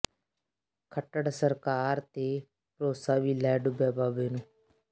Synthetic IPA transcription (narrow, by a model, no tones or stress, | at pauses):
kʰəʈəɽsəɾkaːɾt̪eː | pɾoːsaːʋiːlɛːɖʊbɛːbaːbeːnũː